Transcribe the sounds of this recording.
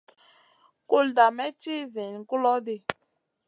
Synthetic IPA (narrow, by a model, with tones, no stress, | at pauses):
ku˦lda˨mɛ˦t͡ʃi˦zi˨n˨ku˦lɔ˦de˧